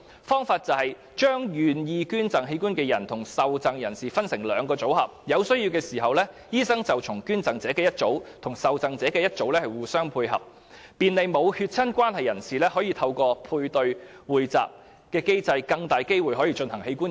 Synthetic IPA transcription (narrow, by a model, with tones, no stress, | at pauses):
fɔː˥ŋfaː˧t̚t͡sɐ˨whɐ˨j | t͡ʃœː˥ŋjyː˨njiː˨˧kyː˥nt͡sɐ˨ŋɦe˧jkuː˥nkɛː˧jɐ˨˩nt̪ʰʊ˨˩ŋsɐ˨wt͡sɐ˨ŋjɐ˨˩nsiː˨fɐ˥nsɪ˨˩ŋlœː˨˧ŋkɔː˧t͡so˨˥whɐ˨p̚jɐ˨˧wsjiː˧wkɛː˧siː˨˩ɦɐ˨wlɛː˥ | jiː˥sɐ˥ŋt͡sɐ˨wt͡sʰʊ˨˩ŋkyː˥nt͡sɐ˨ŋt͡sɛː˨˥kɛː˧jɐ˥t̚t͡so˨˥wt̪ʰʊ˨˩ŋsɐ˨wt͡sɐ˨˧ŋt͡sɛː˨˥kɛː˧jɐ˥t̚t͡so˨˥wlɛː˥hɐ˨jwuː˨˩sœː˥ŋpʰuː˧jhɐ̰˨p̚ | piː˨nle˨˧jmo˨˧whyː˧t̚t͡sʰɐ˥nkʷwaː˥nhɐ˨jɐ˨˩nsiː˨lɛː˥hɔː˨˥jiː˨˧t̪ʰɐ˧wkɔː˧pʰuː˧jt̪ɵ˧ɥwuː˨jt͡sa̰ː˨p̚ | kɛː˧ke˥jt͡sɐ˧jkɐ˧ŋt̪aː˨˩jke˥jwu˨jɦɔː˨˥jiː˧t͡ʃɵ˧nhɐ˨˩ŋhe˧jkuː˥n